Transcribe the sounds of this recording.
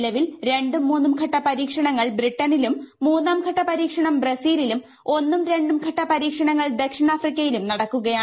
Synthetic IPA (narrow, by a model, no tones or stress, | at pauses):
lɐʋilɾe̞ɳɖumːuːnːumkʰɐʈːɐpɐɾiːkʂɐɳɐŋːɐɭbriʈːɐnilumːuːnːaːmkʰɐʈːɐpɐɾiːkʂɐɳɐmbrɐsiːlilum | o̞nːumɾe̞ɳɖumkʰɐʈːɐpɐɾiːkʂɐɳɐŋːɐɭd̪ɐkʂiɳaːfrikʲːɐjilumnɐɽɐkːuɣɐjaː